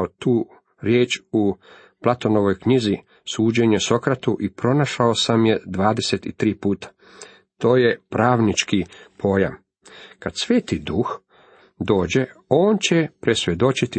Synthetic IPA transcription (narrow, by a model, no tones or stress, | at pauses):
ot̪uː | ɾjeːt͡ʃu | plˠat̪o̞no̞ʋo̞jkɲizi | suːd͡ʑe̞ɲeso̞kɾat̪uʔipɾo̞naʃaosamje̞d̪ʋaːd̪e̞se̞t̪it̪ɾiːpuːt̪ḁ | t̪o̞ːjepɾaːʋnit͡ʃkipʰo̞ja̰m | kad̪sʋeːt̪id̪ux | d̪o̞ːd͡ʑe̞o̞ːnt͡ɕe̞pɾesʋjed̪o̞t͡ʃit̪i